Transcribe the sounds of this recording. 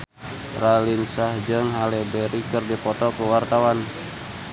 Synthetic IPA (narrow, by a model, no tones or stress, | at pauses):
ralinsahd͡ʒɨŋɦalɛbɛɾikɨrdipɔt̪ɔkuwart̪awan